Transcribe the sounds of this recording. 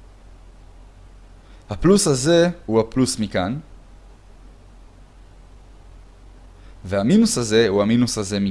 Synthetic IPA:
haplushaze̞huhaplusmikan | vehaminushaze̞huhaminushaze̞mi

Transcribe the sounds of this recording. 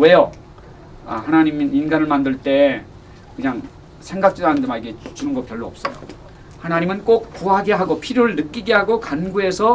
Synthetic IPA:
wejo | a̰hanaɲimininɡanɯɭmandɯɭt͈e̞ | kɯɲaŋ | sʰe̞ŋɡak̚t͡ɕ͈idanɯndemaiɡe̞t͡ɕunɯnɡʌk̚kjʌɭːoʌp̚s͈ʌjo̰ | hanaɲimɯnk͈ok̚kuɦaɡe̞ɦaɡopʰiɾjoɾɯɭnɯk͈iɡe̞ɦaɡokanɡuesʰʌ

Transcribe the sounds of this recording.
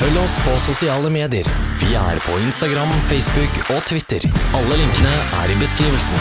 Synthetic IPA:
fœlːɔspʰɔsʊsɪɑːləmeːd̪ɪəɾʋɪæ̰ɾpʰɔɪnst̪ɑɡɾɑmfɛɪsbʉk | ɔt̪ʰʋɪt̪ːəɾɑlːəlɪŋkənəʔæ̰ɖɪbəskɾiːʋəlsn̩

